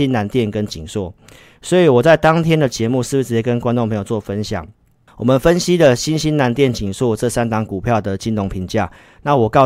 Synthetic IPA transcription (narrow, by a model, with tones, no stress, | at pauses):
i˦na˧˦˥nt̪jɛ˥˨nkə˦nt͡ɕi˨˩ŋswɔ˥˩ | swɔ˧˥i˨˦wɔ˨˩t͡sa˥˩ɪt̪ɑ˦ŋt̪ʰjɛ˦˥nd̪ə˨t͡ɕjɛ˧˦mu˥˧sɻ̩˥˩bu˩t͡s̩˧˩t͡ɕi˧˥˧kə˦nkwa˥nʈ͡ʂo˥˩ŋpʰɤ˧ŋjo˨˩ʊt͡swɔ˥˩fə˦nɕjɑ̰˨˩ŋ | wɔ˨˩mə˨nfə˦nɕi˦d̪ə˨ɕi˦nɕi˦na˧˥nt̪̬jɛ˥˨nt͡ɕi˨˩ŋswɔ˥˩ʈ͡ʂɤ˥˨sa˥˦nt̪ɑ˧˥ŋku˨˩pʰjɑ˥˨˩ʊd̪ə˩t͡ɕi˦nt̪ʊ˧˥ŋpʰi˧˥ŋt͡ɕja˥˩ | na˥˨wɔ˨˩kɑ˥˧ʊ